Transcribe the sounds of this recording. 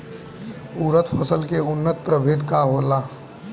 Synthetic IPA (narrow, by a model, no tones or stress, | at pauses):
uːɾət̪pʰəsəlkeʊnːət̪pɾəbʱɪd̪kaɦoːlaː